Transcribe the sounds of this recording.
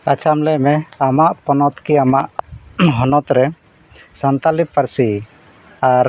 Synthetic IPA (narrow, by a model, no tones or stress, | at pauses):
at͡ʃʰamlɛmɛamaʔpɔnɔt̪kiamaʔɦɔnɔt̪ɾɛ | sant̪alipːaɾsi | aɾ